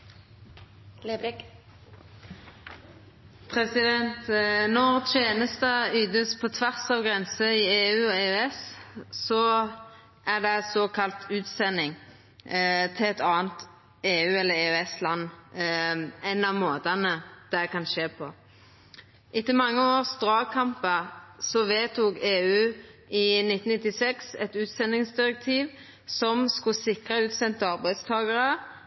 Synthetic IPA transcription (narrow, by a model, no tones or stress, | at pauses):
pʰʁɛsɪd̪ɛnt̪nɔʁt̪ʰeːnəst̪əyːd̪əspʰɔt̪ʰʋæʁsɑːʋɡʁɛnsəɪeːʉːɔeːʉɛssɔ | ʔæd̪ɛsoːkʰɑlt̪ʰʉːt̪sɛnːɪŋ | t̪ʰɪlɛt̪ɑːənt̪ | eːʉːɛlːəɾeːʉɛslɑnː | ɛnːɑmoːt̪ɑnəd̪̥ɛkɑnʃeːpʰɔ | ʔɪt̪ːəmɑŋːəoːʁsd̪ʁɑːkʰɑmpəsɔʋeːt̪uːkeːʉːɪnɪt̪ːn̩nɪt̪ːɪsɛksɛt̪ʉːt̪sɛnːɪŋsd̪ɪʁɛk̚t̪ʰiːʋ | sɔmskʊsɪkʁəʉːt̪sɛnt̪əɑʁbæɪd̪st̪ʰɑːɡəʁə